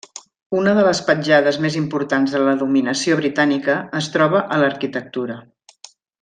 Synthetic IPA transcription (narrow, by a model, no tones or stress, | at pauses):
unəðələspəɲʲd͡ʒaðəzmezimpuɾt̪anzðələðuminəsioβɾit̪anikəːst̪ɾɔβ̞əʔələɾkit̪ək̚t̪uɾə